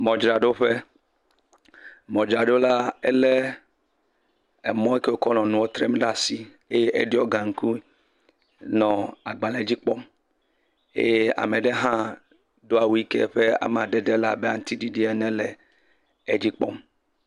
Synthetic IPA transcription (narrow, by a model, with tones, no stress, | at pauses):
mɔ̃˨d͡ʒɾa˨ɖo˦ɸe˦ | mɔ̃˨d͡ʒɾa˨ɖo˦la˦e˦le˦ | ɛ˨mɔ̃˦e˦ke˦wo˦kɔ˦nɔ̃˨nũ˨wo˦t̪ɾe˦m˦ɖa˦˨si˦ | e˦je˦ʔḛ˦di˦ɔ˦ɡã˨ŋ̩˨ku˦ | nɔ̃˨a˨ɡ͡ba˨le˨˦d͡ʒi˦k͡pɔ˦m | ḛ˦e˦a̰˨me˨ɖe˦ɦã˦ | do˦a˨wi˦kḛ˦ɸe˦a̰˨m˦ã˨dɛ˦de˦la˦be˦a˦n̩˦t̪i˦di˦di˦ɛ˨nɛ̃˦le˨ | e˨d͡ʑi˦k͡pɔ̰˦m